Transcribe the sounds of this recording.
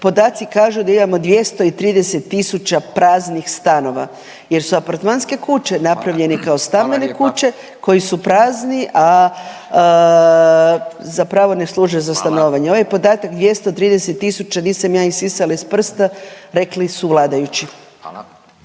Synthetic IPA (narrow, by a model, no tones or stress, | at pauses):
po̞d̪aːt̪sikaːʒud̪aimamo̞d̪ʋje̞st̪o̞it̪ɾiːd̪ese̞t̪ːisut͡ʃapɾaːznixst̪ano̞ʋa | je̞ɾsuapaɾt̪manske̞kut͡ʃe̞napɾaʋʎe̞nikaost̪ambe̞nekut͡ʃe̞ | ko̞jisupɾaːzniʔa | zapɾaːʋo̞ne̞slˠuʒujzast̪ano̞ːʋaɲeo̞ʋajpo̞d̪aːt̪akd̪ʋje̞st̪ot̪ɾiːd̪ese̞t̪ːisut͡ʃaniːsamjaːisisalaispr̩st̪aɾe̞klisuʋlˠaːd̪ajut͡ɕi